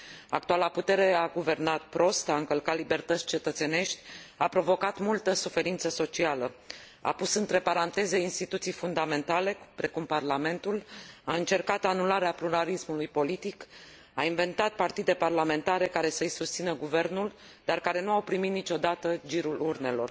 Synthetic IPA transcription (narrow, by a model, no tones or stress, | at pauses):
akt̪ualaput̪e̞ɾe̞aɡuve̞rnat̪̚pɾo̞st̪aɨŋkəlkat̪libe̞rt̪ət̪sʲt͡ʃe̞t̪ət̪se̞ne̞ʃt̪ʲapɾo̞vo̞kat̪mult̪əsufe̞ɾint̪səso̞t͡ʃialə | a̰pusɨnt̪ɾe̞paɾant̪e̞zeinst̪it̪ut̪sijfund̪ame̞nt̪ale̞pɾe̞kumparlame̞nt̪ulaɨnt͡ʃe̞rkat̪anulaɾeapluɾalismulujpo̞lit̪ik | ainve̞nt̪at̪̚part̪id̪e̞parlame̞nt̪aɾe̞kaɾe̞səɨjsust̪sinəɡuve̞rnul | d̪arkaɾe̞nuawpɾimit̪nit͡ʃo̞d̪at̪əd͡ʒiɾulurne̞lo̞̰r